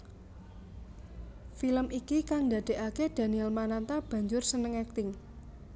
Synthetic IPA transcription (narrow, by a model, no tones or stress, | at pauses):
filəmʔikikaŋd̪ä̤d̪̥e̤ʔaked̪̥a̤niɛlmanant̪ab̥ä̤ɲd͡ʒʊrsənəŋɛk̚t̪ɪŋ